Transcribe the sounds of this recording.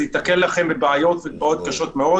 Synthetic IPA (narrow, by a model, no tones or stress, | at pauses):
hit̪akelːaχe̞mbebaajo̞tvebao̞t̪̚kaʃo̞tmeo̞